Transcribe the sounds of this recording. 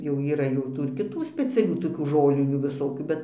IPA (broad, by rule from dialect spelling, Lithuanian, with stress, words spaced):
jɛʊ iːˈrɐ jɛʊ ˈtuː ɪr kʲɪˈtuː sʲpʲɛt͡sʲɛˈlʲuː toːˈkʲuː ˈʒoːlʲɪnʲuː ʋʲɪˈsoːkʲuː ˈbʲɛt